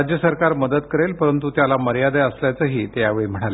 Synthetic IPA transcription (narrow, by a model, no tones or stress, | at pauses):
d͡ʑjəsəɾkaɾməd̪ət̪kəɾelpəɾənt̪ut̪jalaməɾjad̪əəsljat͡səːɦiːt̪jaʋeɭim̤əɽ̃ale